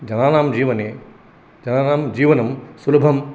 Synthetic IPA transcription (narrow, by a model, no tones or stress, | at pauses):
d͡ʒɐnaːnaːmd͡ʒiːʋɐneː | d͡ʒɐnaːnaːmd͡ʒiːʋɐnɐmsulɐbʱɐm